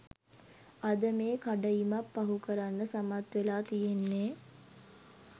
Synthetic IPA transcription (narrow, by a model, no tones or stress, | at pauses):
ad̪əmeːkaɖəimapːaɦukəɾanːəsamat̪ʋelaːt̪ijenːeː